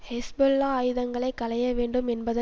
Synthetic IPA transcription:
hɐsbelːaːjɯðɐŋɡɐɭɐɪkːɐlɐjɐʋeːɳɖɯmɛnbɐðɐ

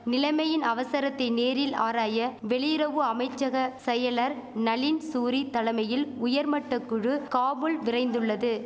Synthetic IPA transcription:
nɪlɐɪmɐjɪnɐʋɐsɐɾɐt̪ːɐɪneːɾɪla̰ːɾaːjɐʋɛɭɪjɪɾɐʋɯɐmɐɪt͡ʃːɐɣɐsɛjɐɭɐɾnɐɭɪnsuːɾit̪ɐlɐmɐjɪlʊjɐɾmɐʈːɐkːɯɻɯkaːmɯlʋɪrɐɪnd̪ɯɭːɐðɯ

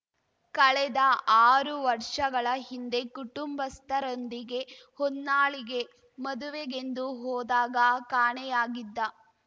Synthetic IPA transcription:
kɐɭɛd̪ɐʔaːɾuʋɐɾʂɐɡɐɭɐɦind̪e̞kuʈumbɐst̪ʰɐɾond̪iɡe̞honːaːɭiɡe̞ | mɐd̪uʋeɡe̞nd̪uɦɔːd̪aːɡɐkaːɳɛjaːɡid̪ːɐ

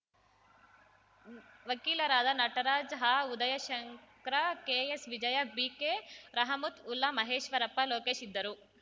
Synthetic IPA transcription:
ʋɐkiːlɐɾaːd̪ɐnɐʈɐɾaːd͡ʒɦaːud̪ɐjɐʃɐŋkɾɐkeːesʋid͡ʒɐjɐbikeːɾɐɦɐmut̪ulːɐmɐɦeːʃʋɐɾɐpːɐloːkeːʃid̪ːɐɾu

